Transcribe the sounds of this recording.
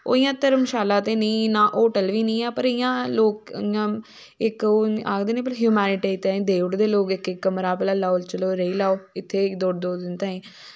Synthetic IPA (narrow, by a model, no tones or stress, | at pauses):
o̰ːijãːt̪əɾmʃaːlãːt̪eːnĩːnãːʔoːʈəlʋiːnĩːɛːpəɾɪjãːloːk̚ɪjãː | ɪkoa̰ːkd̪eːnẽːpəɾɦjuːmɛːnɪʈeːɪt̪ːeẽːd̪eːʋəʈd̪eːloːkɪkɪkːəmɾaːpːlaːlaːolt͡ʃəloːɾeiːlaːoːɪt̪ʰːeːd̪oːɽd̪oːd̪ɪnt̪ãːẽː